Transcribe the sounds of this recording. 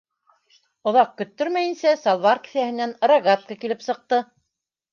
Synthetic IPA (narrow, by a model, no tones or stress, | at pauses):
ŏðɑq̚kːɵ̆t̪ːɵɾmæjɘ̆nsæsɑlˠvɑrkɘ̥̆θæhɘ̆nænɾɑɡat̪̚kɑkilɘpsɤ̆q̚t̪ɤ